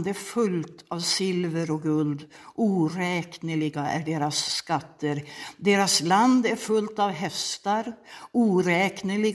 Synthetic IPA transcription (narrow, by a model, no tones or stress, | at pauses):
d̪æɾfɵlt̪avsɪlvəɾɔɡɵld̪ʔuːɾɛːknəɭɪɡaʔæɖeːɾasːkat̪ʰːəɾd̪eːɾasland̪æɾfɵlt̪avɦɛst̪aɾuːɾɛːknəɭɪɡ